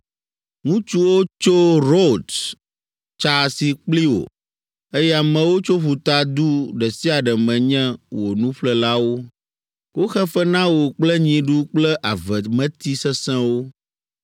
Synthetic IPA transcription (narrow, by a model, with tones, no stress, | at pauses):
ŋũ˦t͡ʃu˦wo˦t͡ʃo˦ɾo˦˨d̪ | t͡ʃa˦si˨k͡pli˦wo̰˨ | e˦jɛ˦a˨mɛ̃˨wo˦t͡ʃo˦ɸu˨t̪a˦d̪u˦ɖɛ˨si˦a˨ɖɛ˨mɛ̃˨ɲɛ̃˦wo˨nũ˦ɸlɛ˦la˦wo˦ | wo˦xɛ˦fɛ˦nã˦wo˨k͡plɛ˦ɲĩ˨ɖu˦k͡plɛ˦ʔa˨vɛ˨mɛ̃˦t̪i˦sɛ˦sɛ̃˦wo˦